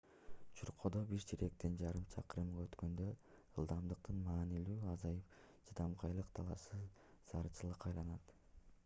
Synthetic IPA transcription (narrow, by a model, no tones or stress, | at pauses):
t͡ʃʰuɾqʰod̪obiɾd͡ʒiɾe̞k̚t̪ind͡ʒɑɾɯmt͡ʃʰɑqɯɾɯmʁɑøt̪kø̞nd̪ø̞ | ɯlˠd̪ɑmd̪ɯq̚t̪ɯnmɑːnilyːɑzɑjɯp | d͡ʒid̪ɑmqʰɑjlˠɯqt̪ʰɑlˠɑsɯ | sɑɾɯt͡ʃʰɯlˠɯqɑjlˠɑnɑt̪